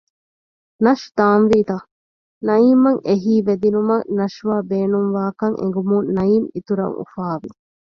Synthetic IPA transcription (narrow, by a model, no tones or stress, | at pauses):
nɐʃd̪aːnʋiːt̪a | nɐimɐŋʔeɦiːʋed̪inumɐnɐʂʋaːbeːnuŋʋaːkɐŋʔḛŋ̆ɡumunnɐimit̪uɾɐ̰ŋṵfaːʋi